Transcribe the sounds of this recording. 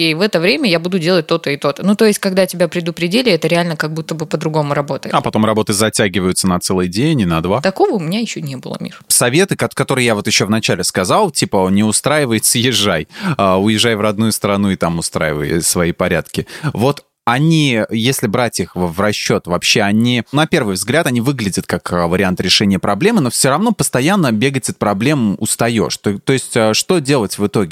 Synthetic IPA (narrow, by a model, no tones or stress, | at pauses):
evɛt̪əvɾʲemʲəjabud̪ʊdʲe̞lˠət̚ʲt̪o̞t̪əɪt̪o̞t̪ənut̪o̞ɪsʲt̚ʲkɐɡd̪atʲɪbʲapɾʲɪd̪ʊpɾʲɪdʲelʲɪɛt̪əɾʲɪalʲnəkɐɡ̚but̪ːəbɨpəd̪ɾʊɡo̞mʊɾɐbo̞t̪əjɪ̰ɐpɐt̪o̞mrɐbo̞t̪ɨzɐtʲaɡʲɪvəjʊt̪sənɐt̪sɛlˠɨjdʲenʲɪnɐd̪vat̪ɐko̞vəʊmʲɪnʲajɪɕːonʲebɨlˠə̰mʲḭɾsɐvʲe̞t̪ɨkɐkɐt̪o̞ɾɨjjavo̞t̪jɪɕːo̞vnɐt͡ɕælʲɪskɐzalˠtʲipənʲɪʊst̪ɾajɪvəjɪt̪səjɪʐːajəʊjɪʐajvrɐd̪̚nujʊst̪əɾɐnuɪt̪amʊst̪ɾa̰jɪ̰və̰j̰svɐipɐɾʲa̰t̪kʲɪvo̞t̪ | ɐnʲijesʲlʲɪbɾatʲixvrɐɕːo̞t̪vɐpɕːe̞ɐnʲinɐpʲe̞rvɨjvzɡlʲat̪ɐnʲivɨɡlʲɪdʲət̪kakvəɾʲɪant̪ɾʲɪʂɛnʲɪjəpɾɐblʲe̞mɨno̞fsʲoɾɐvno̞pəst̪ɐjanːəbʲe̞ɡətʲɐt̪̚pɾɐblʲe̞mʊ̰st̪ɐjo̞̰ʂt̪t̪o̞ɪsʲtʲəʂt̪o̞dʲe̞lˠətʲvɨt̪o̞ɡʲɪ